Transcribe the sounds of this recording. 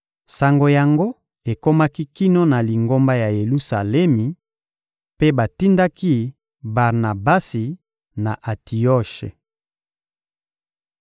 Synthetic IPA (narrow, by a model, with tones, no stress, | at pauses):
sa˨ŋɡo˨ja˨ŋɡo˦ | e˨ko˦ma˦ki˦ki˦no˦na˨li˨ŋɡo˦mba˦ja˨je˨lu˦sa˨lɛ˦mi˨ | pe˦ba˨ti˦nda˦ki˦ | ba˨ʁna˨ba˦si˨ | na̰˨ʔa˨tʰi˨jɔ˦˨ʃḛ˨